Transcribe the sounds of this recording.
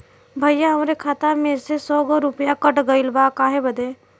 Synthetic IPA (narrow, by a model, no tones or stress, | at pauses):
bʱəjaɦɐmɾekʰaːt̪amẽsesɔːɡɔɾʊpjakəʈɡəɪlbakaːɦebəd̪e